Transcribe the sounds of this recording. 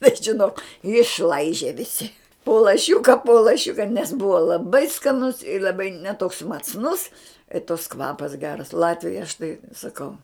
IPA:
bʲɛt ʒʲɪˈnoːk ɪʃˈlˠɐɪʒʲeː ʋʲɪˈsʲɪ poː lˠɐˈʃʲʊkɐ poː lˠɐˈʃʲʊkɐ nʲɛs ˈbʊʋɐ lˠɐˈbɐɪ skɐˈnʊs ɪ lˠɐˈbɐɪ nʲɛ toːks mɐt͡sˈnʊs ɪ toːks ˈkʋɑːpɐs ˈɡʲæːrɐs ˈlˠɑːtʲʋʲɪjoːj ɐʃ tɐɪ sɐˈkɐʊ

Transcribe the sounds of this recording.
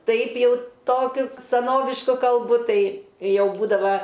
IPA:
ˈtɐɪp ˈjɛʊ ˈtoːkʲʊ sɐˈnoːʋʲɪʃkʊ kɐlˠˈbʊ ˈtɐɪ ˈjɛʊ ˈbuːdɐʋɐ

